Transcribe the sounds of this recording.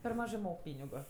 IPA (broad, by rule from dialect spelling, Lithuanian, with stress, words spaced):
pʲɛr ˈmɑːʒɜ ˈmoːk ˈpʲiːnʲɪɡʊ